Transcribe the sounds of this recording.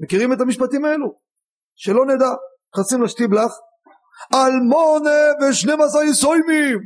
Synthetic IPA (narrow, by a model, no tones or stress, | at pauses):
mekiʁimet̪amiʃpat̪imaelu | ʃelo̞ned̪a | χasimlaʃt̪iblaχ | almoneveʃnemazaisojmim